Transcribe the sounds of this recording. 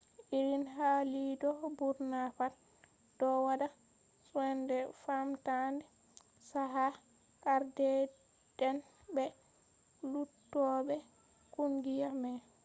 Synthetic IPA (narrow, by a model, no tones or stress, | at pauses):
ʔiɾinɦalidɔbuɾnapat | d̥ɔwada | sɛndɛfamtandɛ | saɦa | kaɾdɛ | d̥ɛn | bɛ | lutːɔbɛ | kuŋɡijamɛ